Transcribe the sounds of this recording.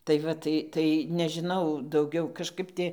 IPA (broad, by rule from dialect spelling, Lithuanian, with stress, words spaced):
tɐɪ ˈʋɐ tɐɪ ˈtɐɪ nʲɛʒʲɪˈnɐʊ dɐʊˈɡʲɛʊ kɐʃˈkɐp ˈtʲɪ